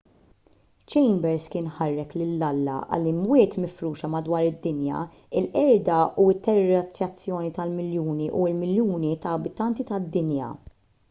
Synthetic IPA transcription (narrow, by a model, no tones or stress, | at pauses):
t͡ʃɛjmbɛɾskɪːnħɐrːɛklɪlːɐlːɐ̰ʔɐ̰lːimwɪːt̪mɪfɾuːʃɐmɐd̪wɐːɾɪd̪ːɪnjɐ̰ | ɪlʔɛɾd̪ɐuɪt̪ːɛɾɾɐt͡sːjɐt͡sːjɔːnit̪ɐlmɪljuːniʔuɪlmɪljuːnit̪ɐːbɪt̪ɐnt̪it̪ɐd̪ːɪnjɐ̰